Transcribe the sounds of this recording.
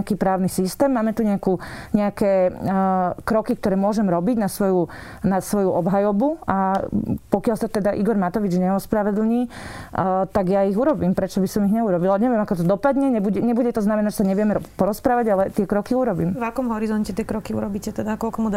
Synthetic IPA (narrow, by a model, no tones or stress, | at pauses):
kiːpɾaːʊnisist̪ɛːmːaːmɛt̪uɲɛakuɲɛakɛ | kɾɔkik̚t̪ɔɾɛːmʊɔʒɛmɾɔbiɟnasʋɔju | nasʋɔjuʔɔbɦajɔbuapɔkɪalst̪ɛd̪aʔiɡɔɾmat̪ɔʋid͡ʒɲɛɔspɾaʋɛd̪l̩ɲiː | t̪aɡjaiɣuɾɔbiːmpɾɛt͡ʃɔbisɔmiɣɲɛuɾɔbilaɲɛʋɛmakɔt̪ɔd̪ɔpad̪ɲɛɲɛbuɟɛɲɛbuɟɛt̪ɔznamɛnaʒsaɲɛʋɪɛmɛpɔɾɔspɾaːʋaɟalɛt̪ɪɛkɾɔkiuɾɔbiːmʋakɔmɦɔɾizɔncɛt̪ɪɛkɾɔkiṵɾɔbicɛt̪ɛd̪akɔlkɔmud̪